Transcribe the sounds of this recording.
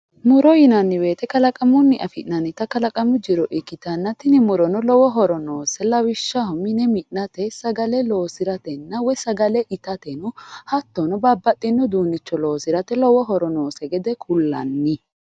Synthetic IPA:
mʊɾɔjɪnɐnːɪwe̞ːt̪ɛkɐlɐkʼɐmʊnːɪʔɐfɪʔnɐnːɪt̪ɐkɐlɐkʼɐmʊd͡ʒɪɾɔʔɪkːɪt̪ɐnːɐt̪ɪnɪmʊɾɔnɔlɔwɔɦɔɾɔno̞ːsɛlɐwɪʃːɐhʊmɪnɛmɪnːɐt̪ɛsɐɡɐlɛloːsɪɾɐt̪ɛnːɐwɔjsɐɡɐlɛʔɪt̪ɐt̪ɛnʊhɐt̪ːɔnɔbɐbːɐt̪ʼːɪnːɔd̪uːnːɪt͡ʃːɔlo̞ːsɪɾɐt̪ɛlɔwɔɦɔɾɔno̞ːsɛɡɛd̪ɛkʰʊlːɐ̰nːɪ

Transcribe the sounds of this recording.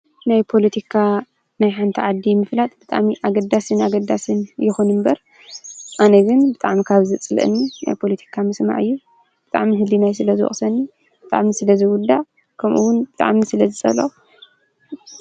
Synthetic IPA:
najpʰo̞lɐt̪ʰikʰa | najħant̪ʰiʕad̪ːimɨflat̪ʼb̥ɨt̪ʼa̰ʕmiʔaɡɐd̪ːasɨnaɡɐd̪ːasɨnjɛxunɨmbɐɾ | ʔanɐɡɨnbɨt̪ʼaʕmikʰaβzɨt͡sʼɨlʔɨ̰nːina̰jpʰo̞let̪ʰi̥kʰamɨsma̰ʕɨjːu | b̥ɨt̪ʼa̰ʕmiɦɨlinajsɨlɐzɨwɔ̰sɐnːi | b̥ɨt̪ʼa̰ʕmisɨlɐzɨwʊd̪ːa | kʰɐmʔṵwʊnbɨt̪ʼa̰ʕmisɨlɐzɨt͡sʼɐ̰lo

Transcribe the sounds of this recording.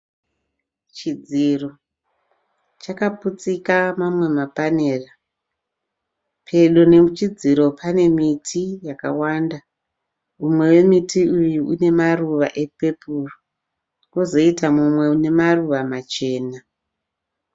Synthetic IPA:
t͡ʃid͡ziro | t͡ʃakaput͡sikamamwe̞mapaneːra | pʰe̞ɗo̞ne̞mut͡ʃid͡ziɾo̞pʰane̞mitʰijaka̰waːnda | umwe̞we̞mitiujuune̞maruʋa̰ʔe̞pe̞puro | kozo̞itamumwe̞une̞maruʋamat͡ʃe̞ːna

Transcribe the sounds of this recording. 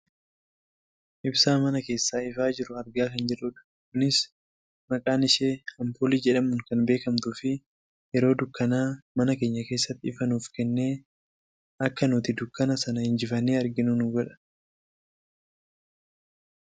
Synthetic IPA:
ʔɪbsaːmɐnɐke̞ːsːaːɪfaːd͡ʒɪɾʊɐɾɡaːkɐnd͡ʒɛᶑʊᶑɐ̥ | kʊnɪs | mɐkʼaːnɪʃeːɐmpoːliːd͡ʒɛᶑɐmʊŋkɐnbe̞ːkɐmt̪ʊːfɪ | jɛɾo̞ːd̪ʊkːɐnaːmɐnɐke̞ːɲːɐke̞ːsːɐt̪ːɪɪfɐnuːfkɛnːe̞ː | ɐkːɐnuːt̪ɪd̪ʊkːɐnɐsɐnɐhɪnd͡ʒɪfɐnːeːɐɾɡɪnʊnʊɡɔᶑɐ̥

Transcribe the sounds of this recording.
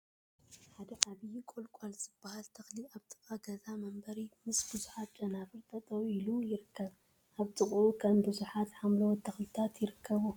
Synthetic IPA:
ħad̪ɐʔaβijikʷʼolkʼalzɨb̥ːahalt̪ʰɐxliaβt̪ʼɨ̥kʼaɡɐzamɐmbɐɾimɨsbɨzuħat̪̚t͡ʃʼɐnafɨɾt̪ʼɐt̪ʼɐwilujɪɾɨkʰːɐβ | ʔaβt̪ʼɨkʼokʰɐmbɨzuħat̪ħamlɐwt̪ʰɐxlɨt̪ʰat̪jɪɾɨkʰːɐβu

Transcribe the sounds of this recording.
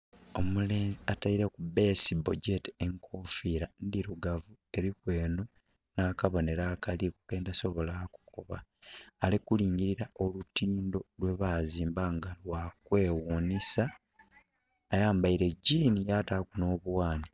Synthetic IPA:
o̞muleːziataiɾekube̞ːsibo̞ɟe̞teŋkʰoːfiːɾandiɾuɡavu | e̞ɾikwe̞ːnunakaβo̞neɾakalikukeːndaso̞βo̞laku̥koβaːlikuliːɲɟiɾiɾaʔo̞lutiːndo̞lwe̞βaziːmbaŋɡalwakwe̞ːwuːnisa | jaːmbaiɾe̞ɟiːnijatakuno̞ːβuwaːni

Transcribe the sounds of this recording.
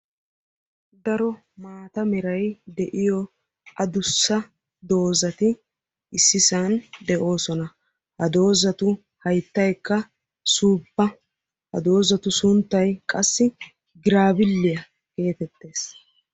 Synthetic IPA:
d̪ɐɾɔ | maːt̪ɐmɛɾɐjd̪ɛʔɪjɔ | ʔɐd̪ʊsːɐ | d̪o̞ːzɐt̪ɪ | ɪsːɪsaːnd̪ɛʔo̞ːsɔnɐ | hɐd̪o̞ːzɐt̪ʊ | hɐjt̪ːɐjkːɐ | suːpːɐ | hɐ̰d̪o̞ːzɐt̪ʊsʊnt̪ːɐjkʼɐsːɪ | ɡɪɾaːbɪlːɪjɐ | ke̞ːt̪ɛt̪ːe̞ːs

